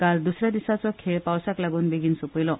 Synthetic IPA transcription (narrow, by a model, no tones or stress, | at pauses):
kald̪usɾad̪isat͡sɔkʰepawsaklaɡunbiɡinsupɔjlɔ